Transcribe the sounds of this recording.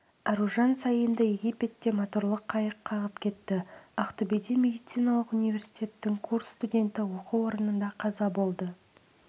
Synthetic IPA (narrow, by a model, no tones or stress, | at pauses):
ɑɾuʒɑnsɑjənd̪əje̞ɡʲipe̞t̪ːe̞mot̪uɾlˠəqʰːɑjəqʰːɑʁəpkʲʰe̞t̪ːɪaqt̪ubed̪imʲe̞d̪ijt̪sɨjnɑlˠəqunijvʲe̞rsijtʲe̞t̪ːɪŋkʰurssːt̪udʲe̞nt̪ɪwo̞quwo̞ɾənənd̪ɑqʰɑzɑbo̞lˠd̪ə